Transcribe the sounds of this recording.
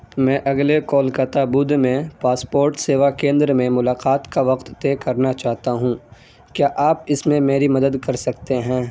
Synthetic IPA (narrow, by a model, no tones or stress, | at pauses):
mɛ̃ːʔɐɡlekɔːlkɐt̪abʊd̪mẽpaːspoːɾʈseːʋakẽːnd̪ɾmẽmʊlaːqaːt̪kaʋɐqt̪ːeːkɐɾnat͡ʃaːɦt̪aɦũː | kjaːʔaːpɪsmẽmeːɾimɐd̪əd̪kɐɾsɐkt̪eɦɛ̃ː